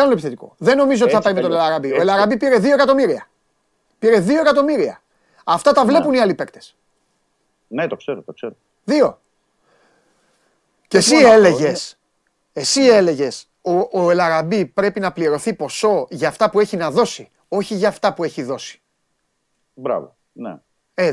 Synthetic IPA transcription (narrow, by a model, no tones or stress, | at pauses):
ɐnunlopiθet̪iko̞̰ðe̞nːo̞mizot̪θɐpɐɾimet̪oelɐɾɐbio̞elɐɾɐbipiɾe̞ðioekɐt̪omiɾiɐ | piɾe̞ðioe̞kɐt̪o̞miɾiɐ̰ | ɐft̪ɐt̪ɐvle̞puniɐlipe̞kt̪e̥s | net̪okseɾot̪okseɾo | ðio̞ | cesiele̞ʝe̞s | esie̞le̞ʝe̞s | oʔːelɐɾɐbipɾe̞pinɐpliɾo̞θipo̞so̞ʝɐːft̪ɐpue̞çinɐðo̞si | o̞çiʝɐːft̪ɐpue̞çiðo̞si̥ | bɾɐ̰vo | nḛ | e